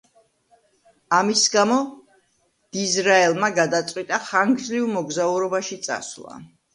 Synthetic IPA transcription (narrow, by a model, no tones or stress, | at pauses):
amisɡamɔ | d̪̥izɾaɛlˠmaɡad̪at̪sʼwit̪ʼaχaŋɡzlivmɔɡzauɾɔbaʃit̪sʼa̰slˠa̰